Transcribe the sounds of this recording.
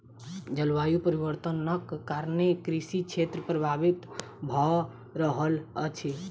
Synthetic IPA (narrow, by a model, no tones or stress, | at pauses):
d͡ʒəlʋajupəɾibəɾt̪ənəkːaɾnekɾisikt͡ʃʰet̪ɾəpɾəbʱabit̪ | bʱɔ | ɾəɦələt͡ʃʰi